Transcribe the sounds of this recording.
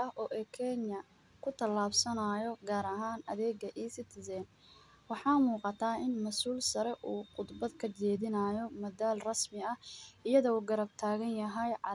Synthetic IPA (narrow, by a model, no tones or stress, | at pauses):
ɐʔɔːʔɛkʰɛnjɐ | kʰʊt̪ʰɐlaːbsɐnaːjɔɡaːɾɐɦaːnɐðɛːɡɐʔiːsɪt̪ʰɪsɛːn | wɑħɑːmuːqɑt̪ʰaːɪnmɐsuːlsɐɾɛʔuːqʊd̪bɐd̪kʰɐt͡ʃɛːðɪnɐaːjɔmɐdaːlrɐsmɪɐhɪjɐðɔuːɡɐɾɐb̚t̪ʰaːɣɐnjɐɦɛjʕɑ